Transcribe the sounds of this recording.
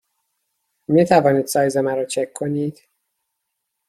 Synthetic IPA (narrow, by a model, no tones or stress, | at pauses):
mit̪ʰævɒːniːd̪sɒːjzemæɾɔːt͡ʃʰekʰːoniːd̪̥